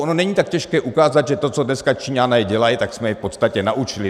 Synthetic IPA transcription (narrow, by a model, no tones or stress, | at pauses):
ʔono̞nɛɲiːt̪akcɛʃkɛːʔukaːzad̪ʒɛt̪o̞t͡sodnɛskat͡ʃiɲanɛjɛɟɛlajɪt̪aksmɛjɛfpo̞t̪st̪acɛnaʔut͡ʃɪlɪ